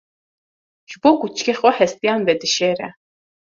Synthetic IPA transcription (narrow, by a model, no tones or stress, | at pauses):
ʒ̥bɔkʼut͡ʃʰkʰɛχɔħɛst̪ʼijanbɛd̪ɨʃɛːɾɛ̰